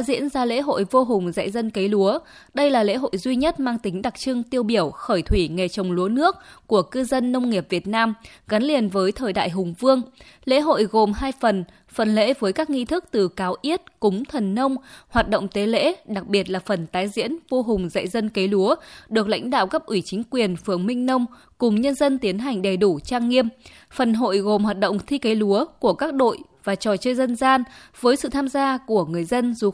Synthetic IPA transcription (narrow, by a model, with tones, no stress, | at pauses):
zḭ˧˥ənzaː˧lḛ˧˥ɦo̰˧˨jvo˧ɦʊ˨˩ŋ͡mza̰˧˨jzə˧nke˨˦jlu˨˦ə | ɗə˧jlaː˨˩lḛ˧˥ɦo̰˧˨jzwi˧ɲə˦˥t̚maː˧ŋt̪ï˨˦ŋ̟ɗa˨˩k̚t͡ɕɨ˧ŋt̪i˧əwɓi˧˩əwxəː˧˩jt̪ʰwi˧˩ŋe˨˩t͡ɕə˨˩wŋ͡mlu˨˦ənɨ˦˥ək̚ku˧˩əkɨ˧zə˧nːə˧wŋ͡mŋi˨˩əp̚vi˨˩ət̚naː˧mɣa˨˦nli˨˩ənvəː˨˦jt̪ʰəː˨˩jɗa̰ː˧˨jɦʊ˨˩ŋ͡mvɨ˧əŋ | lḛ˧˥ɦo̰˧˨jɣo˨˩mɦaː˧jfə˨˩n | fə˨˩nlḛ˧˥vəː˨˦jkaː˦˥k̚ŋi˧t̪ʰɨ˦˥k̚t̪ɨ˨˩kaː˨˦wʔi˦˥ət̚kʊ˨˦ŋ͡mt̪ʰə˨˩nːə˧wŋ͡mhwaː˨˩t̚ɗo̰˧˨wŋ͡mt̪e˨˦lḛ˧˥ɗa˨˩k̚ɓi˨˩ət̚laː˨˩fə˨˩nt̪aː˨˦jzḭ˧˥ənvo˧ɦʊ˨˩ŋ͡mzə̰˧˨jzə˧nke˨˦lu˨˦əɗɨ˨˩ək̚la̰˧˥jŋ̟ɗa̰ː˧˨wkə˦˥p̚ʔwi˧˩t͡ɕï˨˦ŋ̟kwi˨˩ənfɨ˨˩əŋmï˧ŋ̟nə˧wŋ͡m | kʊ˨˩ŋ͡mɲə˧nzə˧nt̪i˨˦ənɦa˨˩jŋ̟ɗə˨˩jɗu˧˩t͡ɕaː˧ŋːi˧əm | fə˨˩nɦo̰˧˨jɣo˨˩mhwaː˨˩t̚ɗə̰˧˨wŋ͡mt̪ʰi˧ke˨˦lu˨˦əku˧˩əkaː˦˥k̚ɗo̰˧˨jvaː˨˩t͡ɕɔ˨˩t͡ɕəː˧jzə˧nzaː˧nvəː˨˦jsɨ̰˧˨t̪ʰaː˧mzaː˧ku˧˩əŋɨ˨˩əjzə˧nzu˨˩